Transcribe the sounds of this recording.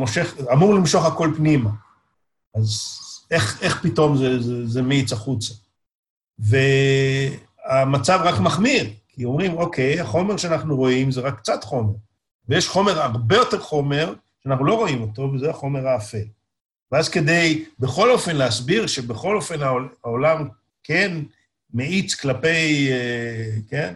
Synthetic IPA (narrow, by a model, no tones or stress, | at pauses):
moʃeχamuʁlimʃo̞χako̞lpnima | azeχe̞χpito̞mzezezemit͡saχut͡sa | ve̞ | amat͡savʁakmaχmiʁkʰio̞mʁimo̞kʰe̞jaχo̞me̞ʁʃeanaχnuʁo̞imzeʁakːt͡satχo̞me̞ʁ | vejeʃχo̞me̞ʁaʁbe̞jo̞te̞ʁχo̞me̞ʁ | ʃeanaχnulo̞ʁo̞imo̞t̪o̞vezeaχo̞me̞ʁaːfel | veazke̞d̪e̞jbeχo̞lo̞fe̞nleasbiʁʃe̞beχo̞lo̞fe̞naoaolam | ken | meit͡sklape̞jeken